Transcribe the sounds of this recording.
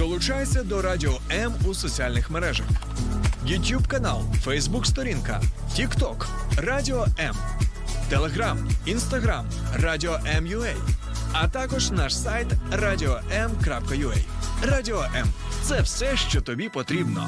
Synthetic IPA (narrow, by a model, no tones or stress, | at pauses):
d̪̥ɔlˠʊt͡ʃajet͡sʲːɐd̪ɔɾadʲiɔɛmusɔt͡sʲialʲnɪxmeɾɛʒɐx | jʊtʲjubkɐnɑ̰lˠfɛjzbukst̪ɔɾʲinkɐ̰ | tʲikt̪ɔk | radʲiɔɛm | t̪elˠeɦɾaminst̪ɐɦɾam | rɑdʲiɔʔɛmjʊɛj | ɐt̪ɑkɔʒnɑʃsajt̪radʲiɔɛmkɾɑpkɐjʊɛ̰jradʲiɔʔɛm | t̪sɛwsɛʃt͡ʃɔt̪ɔbʲipɔt̪ɾʲibnɔ̰